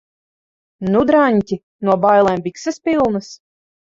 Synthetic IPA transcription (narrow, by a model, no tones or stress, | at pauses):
nud̪ɾaɲʲcʲi | nuɔbajlˠɛːmbʲiksɛspilˠnɨs